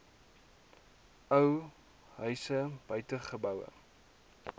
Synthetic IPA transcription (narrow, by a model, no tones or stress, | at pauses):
əw | ɦœɥsəbœɥtəχəbœwə̰